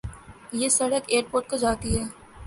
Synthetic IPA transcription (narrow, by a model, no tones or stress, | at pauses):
jeːsɐɽəkeːəɾpoːɾʈ̚kod͡ʒaːt̪iɦɛː